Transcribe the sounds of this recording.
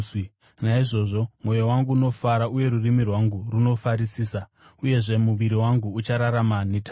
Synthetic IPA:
naiʐo̞ʐo̞mwo̞jowaŋɡuːno̞faɾauje̞ɾurimirwaŋɡuruno̞faɾisiːsa | uje̞ʐe̞muʋiɾiwaŋɡuːt͡ʃaɾaɾamanitʰa

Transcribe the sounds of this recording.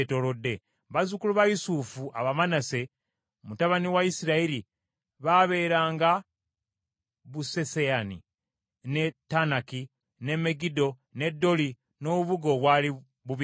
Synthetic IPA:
to̞lo̞dːe̞ | βazukuluβajisufuʔa̰βamanase̞ | mutaβaniwaisiɾaiɾi | βaβe̞ːɾaːŋɡa | βuse̞seani | ne̞tːanaki | ne̞me̞ɡido̞ | ne̞dːo̞li | no̞ːβuβuɡoβwaːli | βuβ

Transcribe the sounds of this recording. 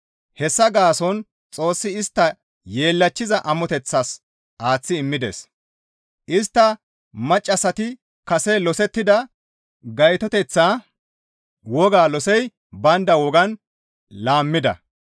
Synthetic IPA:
hɛsːɐɡaːsɔn | t͡sʼo̞ːsːɪɪst̪ːɐ | jeːlːɐt͡ʃːɪzɐʔɐmɔt̪ɛt͡sːaːs | ʔaːt͡sːɪːmːɪd̪ḛs | ʔɪst̪ːɐ | mɐt͡ʃʼːɐsɐt̪ɪ | kɐsɛlɔsɛt̪ːɪd̪ɐ | ɡɐjt̪ɔt̪ɛt͡sːaː | wɔɡaːlɔsɛj | bɐnd̪ɐwɔɡɐn | laːmːɪd̪ɐ̰

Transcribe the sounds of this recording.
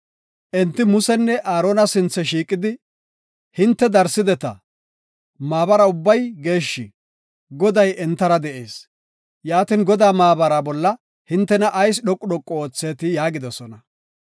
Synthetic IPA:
ʔɛnt̪ːɪmʊsɛnːɛʔaːɾo̞ːnɐsɪnt͡sːɛʃiːkʼːɪd̪ɪ | hɪnt̪ːɛd̪ɐɾsɪd̪ɛt̪ɐ̰ | maːbɐɾɐʊbːɐjɡe̞ːʃːɪ | ɡɔd̪ɐjɛnt̪ːɐɾɐd̪ɛʔe̞ːs | jaːt̪ɪnɡɔd̪aːmaːbɐɾabɔlːɐ | hɪnt̪ːɛnɐʔːjs̬ɗɔkʼːʊɗɔkʼːɔoːt͡sːeːt̪ɪjaːɡɪd̪ɔsɔnɐ

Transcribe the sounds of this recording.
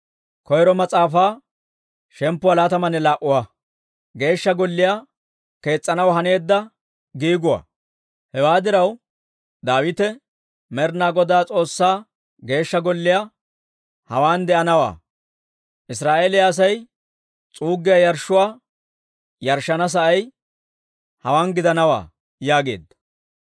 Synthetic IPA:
kɔjɾɔmɐt͡sʼaːfaː | ʃɛmpːʊalaːt̪ɐmɐnɛlaːʔʊwa | ɡe̞ːʃːɐɡɔlːɪja | ke̞ːt͡sʼːɐnɐwɦɐne̞ːd̪ːɐ | ɡiːɡʊwa̰ː | hɛwaːd̪ɪɾɐw | d̪aːwɪt̪ɛ | mɛɾnaːɡɔd̪aːt͡sʼo̞ːsːaː | ɡe̞ːʃːɐɡɔlːɪja | hɐwaːnd̪ɛʔɐnɐwa̰ː | ʔɪs̬ɾaːʔe̞ːlɪjaɐs̬ɐj | t͡sʼuːɡːɪjɐjɐɾʃːʊwaː | jɐɾʃːɐnɐs̬ɐʔɐj | hɐwaːnɡɪd̪ɐnɐwa̰ː | jaːɡe̞̰ːd̪ːɐ̥

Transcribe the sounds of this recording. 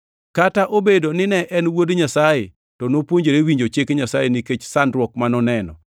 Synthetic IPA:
kataʔobedonɪnɛʔɛnwodɲasaje | tɔnopwoɲd͡ʒeɾewiɲd͡ʒot͡ʃekɲasajeniket͡ʃsandɾwɔkmanɔnɛnɔ̰

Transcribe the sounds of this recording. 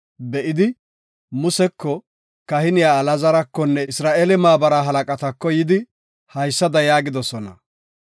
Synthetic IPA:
bɛʔɪd̪ɪ | mʊsɛkːɔ | kɐhɪnɪjaːlɐzɐɾɐkːɔnːɛɪsɾaːʔeːlɛmaːbɐɾɐɦɐlɐkʼɐt̪ɐkːɔjɪd̪ɪ | hɐjsːɐd̪ɐjaːɡɪd̪ɔsɔnɐ̰

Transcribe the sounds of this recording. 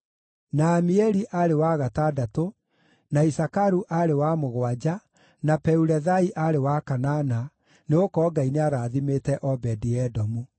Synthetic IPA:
naːmiɛɾiʔaɾewaːɣatadato | naisakaɾuʔaɾewamoɣwad͡ʑa | napɛuɾɛðaiʔaɾewakanana | neokɔːɡaineaɾaːðimetɛʔɔbɛdiɛdɔmu

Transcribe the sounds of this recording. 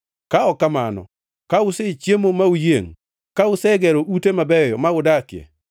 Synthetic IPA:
kaɔkama̰nɔ̰ | kaʊset͡ʃjemomaujeŋ | kaʊsɛɡɛɾoʔutemabɛjɔmaʊdakɪɛ̰

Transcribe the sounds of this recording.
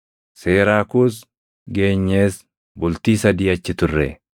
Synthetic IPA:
seːɾaːkʊs | ɡe̞ːɲːeːs | bʊlt̪iːsɐd̪iːɐt͡ʃːɪt̪ʊrːḛ

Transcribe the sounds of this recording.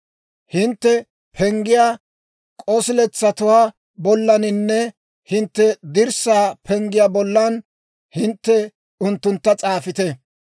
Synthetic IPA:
hɪnt̪ːɛ | pʰɛŋɡɪjaː | kʼɔsɪlɛt͡sːɐt̪ʊwaː | bɔlːɐnɪnːɛ | hɪnt̪ːɛd̪ɪɾsaːpʰɛŋɡɪjaːbɔlːɐn | hɪnt̪ːɛ | ʊnt̪ːʊnt̪ːɐt͡sʼaːfɪt̪ɛ

